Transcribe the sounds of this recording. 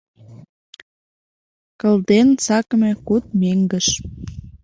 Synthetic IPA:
kə̆ld̪ent͡sɑkmekut̪̚meŋɡə̆ʃ

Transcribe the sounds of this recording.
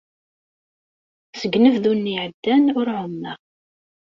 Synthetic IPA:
səɡnəvðunːiʕəd̪ːænʊɾʕʊmːə

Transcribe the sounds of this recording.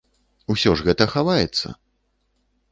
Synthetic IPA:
usʲɔʐɣɛt̪ɐxavajɛt̪sːɐ̰

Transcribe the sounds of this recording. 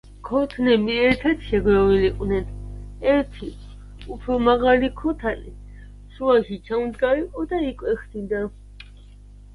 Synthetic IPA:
kʰɔt̪ʰnɛmiɛɾt̪ʰat̪ʃɛɡwɛviliqʼwnɛnɛɾt̪ʰi | upʰɾɔmaɣalikʰɔt̪ʰanḭ | ʃuaʃit͡ʃʰamd̪ɡaiqʼɔd̪aikʼwɛχd̪id̪a

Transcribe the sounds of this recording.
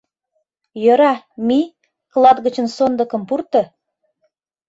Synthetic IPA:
jɤɾɑmi | klˠɑd̪ɣə̆t͡ɕə̆nsond̪ə̆kə̆mpurt̪ɤ̆

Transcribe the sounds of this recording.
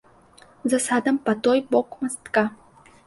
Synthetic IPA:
zɐsad̪ɐmpɐt̪ɔjbɔkmast̪ka

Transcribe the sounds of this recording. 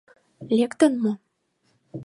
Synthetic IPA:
lʲekt̪ə̆nmo

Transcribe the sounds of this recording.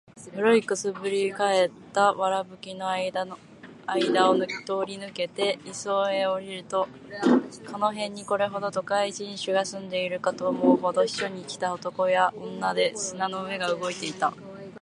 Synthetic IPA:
bɯ̟ɾo̞ikːɯ̟sɨbɯ̟ɾʲikae̞t̪ːaβaɾabɯ̟kʲino | aid̪aono̥t̪o̞ːɾʲinɯ̟ke̞t̪e̞iso̞ːe̞o̞ɾʲiɾɯ̟t̪o̞ | kʰano̞ɦẽ̞ɲ̟ːiko̞ɾe̞ɦo̞d̪o̞t̪o̞kaiʑĩɰ̃ɕɨɡasɨ̃nd̪e̞iɾɯ̟kat̪o̞ːmo̞ɯɦo̞d̪o̞i̥ɕo̞ɲ̟ikʲi̥t̪aot̪o̞ko̞jaõ̞nːad̪e̞sɨnano̞ɯ̟e̞ɡaɯ̟ɡo̞it̪e̞it̪a

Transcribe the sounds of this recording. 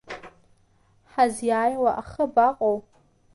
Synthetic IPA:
ħazjaːjwaʔaχəbaqʼow

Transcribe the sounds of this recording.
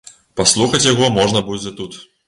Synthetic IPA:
paslˠuxɐt͡sʲjaɣɔmɔʐnɐbud͡zʲɛt̪ut̪

